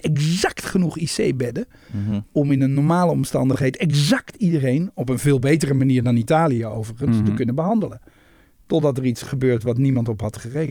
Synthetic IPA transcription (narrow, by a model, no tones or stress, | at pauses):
ɛkzɑktχənuχisejbɛdə | ɔmɪnənːɔɹmaːləɔmstɑ̰ndəχɦejdɛkzɑktidərejnɔpənvɪːlˠbejtərəmaniːɹdɑnitaːlijəowvəɹχənstəkɵnəbəɦɑndələn | tɔdɑtəritsχəbøːɹtʋɑtnimɑntɔpɦɑtχəre